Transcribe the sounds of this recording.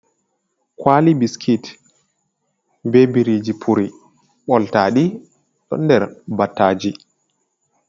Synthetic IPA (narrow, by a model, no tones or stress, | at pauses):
kwaːlibiskʰit | bebiɾiːd͡ʒipʰuɾi | ɓɔltaːɗi | ɗɔ̰ndɛɾbatːaːd͡ʒi